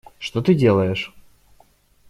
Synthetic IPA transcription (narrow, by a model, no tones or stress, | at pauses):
ʂt̪ot̪ɨdʲe̞lˠəjɪʂ